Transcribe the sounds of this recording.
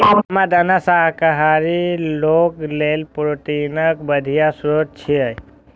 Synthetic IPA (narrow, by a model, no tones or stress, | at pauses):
mad̪ənasaɦkəɦaɾiloːklelpɾot̪inəkbəd̪ʱijasɾoːt̪̚t͡ʃʰiəj